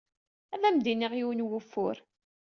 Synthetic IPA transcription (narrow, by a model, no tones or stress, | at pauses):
æðæmd̪iniʁiwnwʊfːʊ̰ɾ